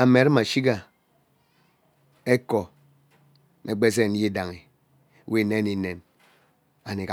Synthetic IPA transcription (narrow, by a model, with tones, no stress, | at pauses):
a˨me˨˦ɾma˨ʃi˦ɡa˨ | e˦kɔ˨ | me˨ɡ͡be˦s̬e˦˨n̩˦ji˦da˨ŋe˨˦ | wi˦˨ne˦i˨˦ne˨n | a˨ne˨ka˨